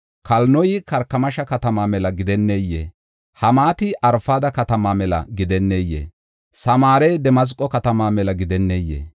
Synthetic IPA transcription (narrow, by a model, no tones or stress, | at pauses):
kɐlnɔjɪkɐɾkːɐmɐʃɐkɐt̪ɐmaːmɛlɐɡɪd̪ɛnːejːḛː | hɐmaːt̪ɪʔɐɾfaːd̪ɐkɐt̪ɐmaːmɛlɐ̰ɡɪd̪ɛnːejːḛː | sɐmaːɾɛjd̪ɛmɐs̬kʼːɔkɐt̪ɐmaːmɛlɐɡɪd̪ɛnːejːḛː